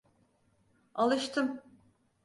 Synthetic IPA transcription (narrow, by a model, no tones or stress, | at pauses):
alˠɯʃt̪ʰɯm